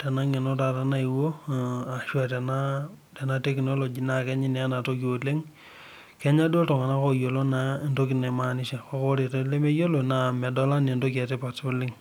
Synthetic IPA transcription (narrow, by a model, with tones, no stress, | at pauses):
tɛ˨na˦ŋɛ˨no˦ta˨ta˦na˦i˨wo˦a˨ʃwa˨tɛ˨na˦ | tɛ˨na˦tɛ˦kno˦lo˨d͡ʒi˨na˨kɛ˦ɲi˦nɛ˨a˦na˨to˦ki˨wo˨le˦ŋ | kɛ˦ɲa˦do˦tɔ˨ŋa˨na˦ko˦jo˨lo˦na˨ndo˦kɪ˨nɛ˨ma˦nɪ˦ʃa˨kɔ˦kɔ˦ɾe˨tɔ˦le˦me˦jo˦lo˨na˨mɛ˨dɔ˦la˦ne˨ndo˦ka˨tɛ˦pa˨tbɔ˦lɪ˦ŋ